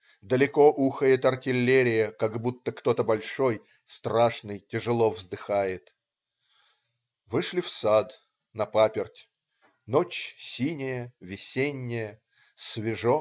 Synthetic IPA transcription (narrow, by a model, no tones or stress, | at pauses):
d̪əlʲɪko̞ʔuxəjɪt̪ɐrtʲɪlʲːeɾʲɪjəkaɡbut̪ːəkt̪o̞t̪əbɐlʲʂo̞j | st̪ɾaʂnɨjtʲɪʐɨlˠovzd̪ɨxajɪt̪ | vɨʂlʲɪfsad̪ | nɐpapʲɪrtʲ | not͡ɕsʲinʲɪjəvʲɪsʲenʲːɪjə | svʲɪʐo